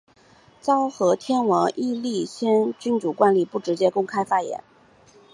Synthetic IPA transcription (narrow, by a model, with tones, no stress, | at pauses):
t͡sɑ˥ʊxɤ˧˥t̪ʰjɛ˥nwɑ˧˥ŋʔi˥˧li˥˩ɕjɛ˥nt͡ɕy˥nt͡su˨˩kwa˥nli˥˩pu˥˩ʈ͡ʂɻ̩˧˥t͡ɕjɛ˥kʊ˥ŋkʰa˥ɪfa˥jɛ̰˧˥n